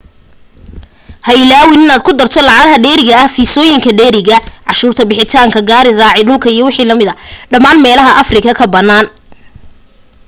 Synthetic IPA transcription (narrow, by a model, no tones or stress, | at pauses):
hɐɪlaːwɪnɪnaːd̪̚kʰʊd̪ɐrt̪ʰɔlɑʕɑɾɦɐɖɛːɾɪɣɐɐhfiːsɔːjɪŋkʰɐɖɛːɾɪɣɐʕɑʃuːrt̪ʰɐbɪħɪt̪ʰaːŋkʰɐɡaːɾɪraːʕɪɖʊlkʰɐijɔwɑħiːlɐmɪðɐɖɐmaːnmɛːlɐɦɐʔɐfrɪkʰɐkʰɐbɐnːaːn